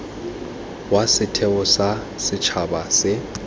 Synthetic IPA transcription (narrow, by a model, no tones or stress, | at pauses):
wasɪtʰɛʊsa | sɪt͡ʃʰabasɪ